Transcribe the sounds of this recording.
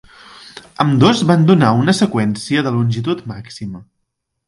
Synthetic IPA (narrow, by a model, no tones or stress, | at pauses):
əmd̪ozβand̪unaunəsəkwɛnsiəðəlunʲʒit̪ut̪maksimə